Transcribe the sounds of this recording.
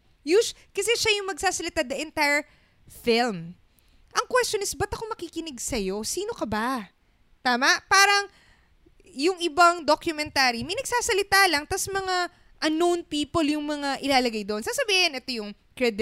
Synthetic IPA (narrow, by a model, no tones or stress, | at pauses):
juʃ | kɐsɛʃajʊŋmɐɡ̚saːsɐlɪt̪ad̪nɐʔɛnt̪ajɹ | fɪlm | ʔɐŋkwɛst͡ʃonɪsbɐt̪ʔɐkomɐkikɪnɪɡsɐjo̞siːno̞kɐba | t̪aːmɐʔpaːɾɐŋ | jʊŋʔɪbaŋd̪okjʊmɛnt̪aːɾimɐjnɐɡ̚saːsɐlɪt̪alɐŋt̪ɐsmɐŋa | ʔɐnonpiːpoljʊŋmɐŋaʔɪlaːlɐɡajd̪oʔonsaːsɐbiːhɪnʔɛt̪o̞jʊŋ | kɹɛd̪